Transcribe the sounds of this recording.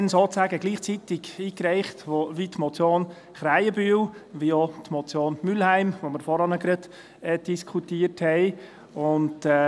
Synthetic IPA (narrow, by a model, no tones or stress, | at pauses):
nsoːt͡sæːɡəɡliːχt͡sit̪ɪɡiːkɾɛɪχtoʋitmɔt͡sjoːn | χɾæɪəbywʋiot̪mɔt͡sjoːnmylhæɪmʋoməɾfɔɾɑnəɡɾəd | ɛd̥iskʰutiəthɛɪ | ʊndɛ